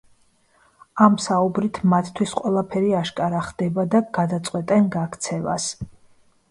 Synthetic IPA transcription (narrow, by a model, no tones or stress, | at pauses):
amsaubɾit̪ʰmat̪ʰt̪ʰwisqʼwɛlˠapʰɛɾiaʃkʼaɾaχd̪ɛbad̪aɡ̥ad̪at̪sʼqʼwɛt̪ʼɛnɡakʰt̪sʰɛva̰s